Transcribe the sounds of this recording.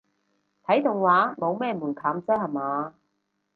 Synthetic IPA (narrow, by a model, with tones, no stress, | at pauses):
t̪ʰɐ˨˥jt̪ʊ˨ŋwaː˨˥mo˨˧wmɛː˥˩muː˨˩nkʰaː˨˥mt͡sɛː˥hɐ˨maː˨˧˦